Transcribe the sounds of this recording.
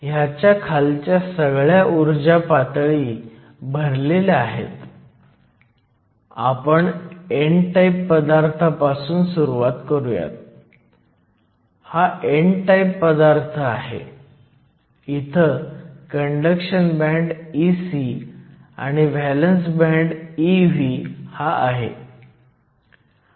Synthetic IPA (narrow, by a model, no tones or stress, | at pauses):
jat͡ɕjakʰalt͡ɕjasəɡɭjaʔuɾd͡ʑapat̪ɭiː | bʱəɾleleaɦḛt̪ | a̰pəɳeɳʈaipːəd̪aɾt̪ʰapasuːnsuɾuʋat̪kəɾuja̰t̪̚ | haʔeɳʈajpːəd̪aɾt̪ʰəaɦḛ | it̪ʰəkəɳɖəkʂənbæ̃ɳɖisi | a̰ɽ̃iʋælənsbɛ̃ɳɖiʋihaʔaɦḛ